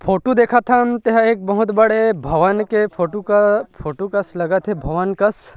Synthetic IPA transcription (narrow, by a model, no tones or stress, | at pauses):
pʰoːʈud̪eːkʰat̪ʰamt̪eɦeːk̚bɐɦʊt̪bəɽebʱɐʋənkepʰoʈukpʰoːʈukɐslɐɡat̪ʰebʱɐʋənkɐs